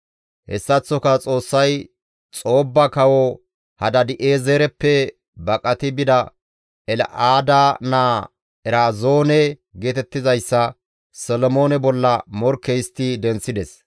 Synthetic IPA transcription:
hɛ̰sːɐt͡sːɔkɐt͡sʼo̞ːsːɐj | t͡sʼo̞ːbːɐkɐwɔ | hɐd̪ɐd̪ɪʔeːzeɾɛpːɛ | bɐkʼɐt̪ɪbɪd̪ɐ | ɛl̰ʔaːd̪anaː | ɛɾaːzo̞ːnɛɡeːt̪ɛt̪ːɪzɐjsːɐ | sɔlɔmo̞ːnɛbɔlːɐmɔɾkːɛjɪst̪ːɪd̪ɛnt͡sːɪd̪ɛs

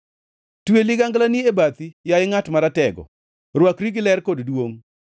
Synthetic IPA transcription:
twelɪɡaŋɡlaniebat̪ijaɪŋatmaɾatɛɡɔ̰ | ɾwakɾiɡɪlɛrkoddwoŋ

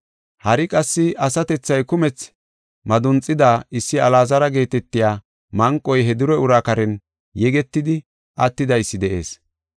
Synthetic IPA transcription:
hɐɾɪkʼɐsːɪɐsɐt̪ɛt͡sːɐjkʊmɛt͡s | mɐd̪ʊnt͡sʼɪd̪aːɪsːɪɐlaːzɐɾɐɡe̞ːt̪ɛt̪ːɪjaː | mɐŋkʼːɔjɦɛd̪ʊɾɛʊɾaːkɐɾɛn | jɛɡɛt̪ːɪd̪ɪ | ʔɐt̪ːɪd̪ɐjsːɪd̪ɛʔe̞̰ːs

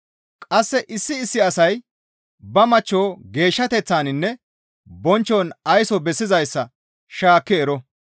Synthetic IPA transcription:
kʼɐsːɛʔɪsːɪːsːɪɐsɐj | bɐmɐt͡ʃːo̞ːɡe̞ːʃːɐt̪ɛt͡sːaːnɪnːɛ | bɔnt͡ʃːonɐjsɔbɛsːɪzɐjsːɐ | ʃaːkːɛːɾɔ

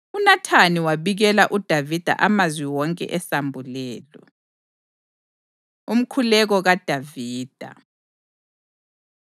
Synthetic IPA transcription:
unatʰaniwaβiɣɛlaʔud̥ʱavid̥ʱa̰ʔamazwiwɔŋkʼɛ̰ʔɛsambʱulɛːlɔ | um̩kʰulɛɣɔɣad̥ʱaviːd̥ʱa̰

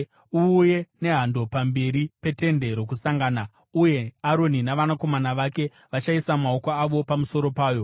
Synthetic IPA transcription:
uːje̞ne̞ɦando̞pambe̞ɾipe̞te̞nde̞ɾo̞kusaŋɡana | uje̞aɾo̞ninaʋanako̞manaʋake̞ | ʋat͡ʃaisamao̞koaʋo̞pamuso̞ɾo̞paːjo̞

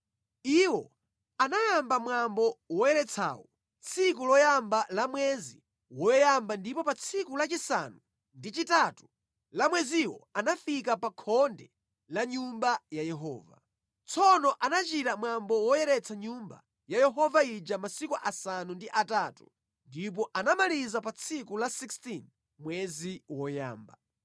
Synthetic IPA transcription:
iwɔ | anajambamwambɔwɔjɛɾɛt͡sʰa̰ːwɔ | t͡sʰikulɔjambalamwɛzḭ | wɔjɛjambandipɔpat͡sʰikulat͡ʃisa̰nu | ndit͡ʃitatu | lamwɛziwɔ̰anafikapakʰɔndɛ | laɲumbajajɛɦɔ̰ːva̰ | t͡sʰɔnɔʔanat͡ʃiɾamwambɔwɔjɛɾɛt͡sʰaɲumba̰ | jajɛɦɔvaid͡ʒamasikuʔasanundiʔataːtu | ndip̬ɔʔanamalizapat͡sʰikulasikstin | mwɛziwɔja̰ːmba

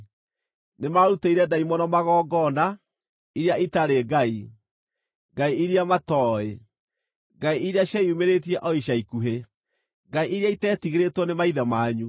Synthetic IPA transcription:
nemaɾutaiɾɛdaimɔnɔmaɣɔːɡɔna | iɾjaitaɾeɡai | ɡaiiɾiamatɔe | ŋɡaiiɾeaɕjaiumeɾetiɛʔɔiʃaikuɦe | ŋɡaiʔiɾeaitɛːtiɣeɾetwɔnemaiðamaːɲu

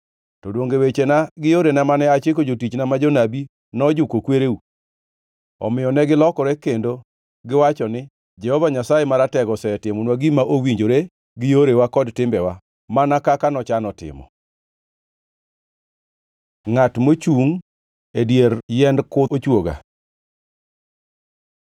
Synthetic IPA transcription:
tɔdwoŋɡewet͡ʃenaɡɪjoɾenɛmanɛat͡ʃek̬od͡ʒotit͡ʃnamad͡ʒonabi | nɔd͡ʒʊkokweɾeu | ɔ̰mɪjɔnɛɡɪlɔkɔɾɛkendo | ɡɪwat͡ʃɔnɪ | d͡ʒɛhɔvaɲasajemaɾatɛɡɔsɛɛtɪmɔnwaɡimaʔowiɲd͡ʒoɾe | ɡɪjoɾewakɔdtɪmbɛwa | manakakanɔt͡ʃanɔtɪ̰mɔ̰ | ŋatmot͡ʃuŋ | edjeɾjɛndkʊot͡ʃwoɡa̰

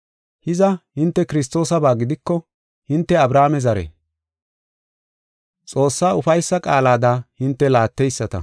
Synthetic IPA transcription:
hɪzɐhɪnt̪ːɛkɪɾɪst̪o̞ːsɐbaːɡɪd̪ɪkːɔ | hɪnt̪ːɛɐbɾaːmɛzɐɾɛ̰ | t͡sʼo̞ːsːaːʊfɐjsːɐkʼaːlaːd̪ahɪnt̪ːɛlaːt̪ːɛjsːɐt̪ɐ̰

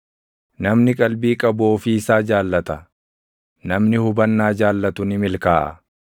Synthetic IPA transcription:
nɐmnɪkʼɐlbiːkʼɐboːfiɪsaːd͡ʒaːlːɐt̪ɐ | nɐmnɪhʊbɐnːaːd͡ʒaːlːɐt̪ʊnɪmɪlkaːʔɐ̰

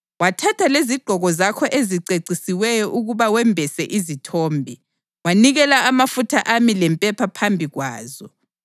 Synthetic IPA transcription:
watʰatʰaleziɡ͡ǃʱɔɣɔzakʰɔʔeziǀeǀisiwɛjɔʔuɣuβawɛmbʱɛsɛʔizitʰoːmbʱi | waniɣɛlaamafutʰaʔamilɛmpʼɛpʰapʰambʱiɣwa̰ːzɔ

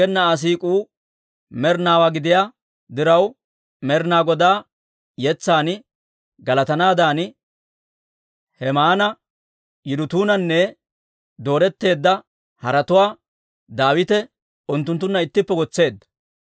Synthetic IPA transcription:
ɛnːɐːs̬iːkʼuː | mɛɾnaːwaɡɪd̪ɪjaː | d̪ɪɾɐw | mɛɾnaːɡɔd̪aː | jɛt͡sːaːn | ɡɐlɐt̪ɐnaːd̪aːn | hɛmaːnɐ | jɪd̪ʊt̪uːnɐnːɛ | d̪o̞ːɾɛt̪ːe̞ːd̪ːɐ | hɐɾɐt̪ʊwaː | d̪aːwɪt̪ɛ | ʊnt̪ːʊnt̪ːʊnːɐɪt̪ːɪpːɛɡɔt͡sːe̞ːd̪ːɐ̥

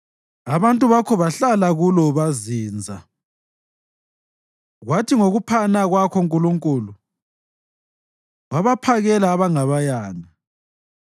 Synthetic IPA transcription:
aβantʼuβakʰɔβaɬalaɣulɔβaziːnd͡zʱa | ɣwatʰiŋoɣupʰanaɣwakʰɔŋkʼuluŋkʼuːlu | waβapʰaɣɛlaːβaŋaβajaːna

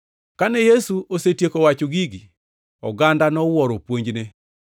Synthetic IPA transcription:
kanɛjesuʔosetjekowat͡ʃoɡiɡi | ɔ̰ɡandanɔwɔɾopwoɲd͡ʒne

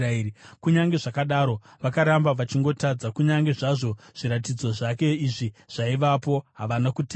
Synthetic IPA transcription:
aiikuɲaŋɡe̞ʐakaɗaɾo̞ʋakaɾambaʋat͡ʃiŋɡo̞tad͡zakuɲaŋɡe̞ʐaʐo̞ | ʐ̥iɾat̬id͡zo̞ʐake̞iʐiʐ̥aiʋapo̞ɦaʋanakute

